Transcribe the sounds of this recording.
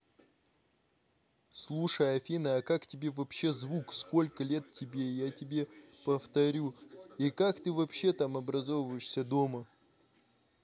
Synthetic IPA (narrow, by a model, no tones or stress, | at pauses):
slˠuʂəjɐfʲinəɐkaktʲɪbʲe̞vɐpɕːe̞zvuksko̞lʲkəlʲe̞t̪̚tʲɪbʲe̞jatʲɪbʲe̞pəft̪ɐɾʲuikakt̪ɨvɐpɕːe̞t̪amɐbɾɐzo̞vvəjɪʂsʲəd̪o̞mə